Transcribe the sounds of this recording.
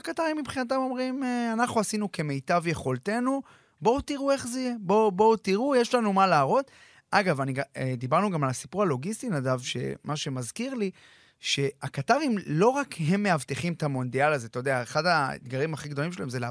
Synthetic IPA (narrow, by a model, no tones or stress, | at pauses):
akat̪aʁimːibχinat̪̬amo̞mʁimeanaχnuasinuke̞mejt̪avje̞χo̞lt̪e̞nu | bo̞wt̪iʁue̞χzeijebo̞bo̞wtiʁujeʃlanumalaːʁo̞t̪ | ʔaɡavaniɡd̪ibaʁnuɡamalasi̥puʁalo̞ɡist̪inadavʃe̞̰mʔaʃe̞mazkiʁli | ʃe̞akat̪aʁimlo̞ʁakɦe̞mːe̞avt̪eχimt̪amo̞nd̪ialazet̪ojd̪eaeχadaḛd̪ɡaʁimaχiɡd̪o̞limʃelaemzele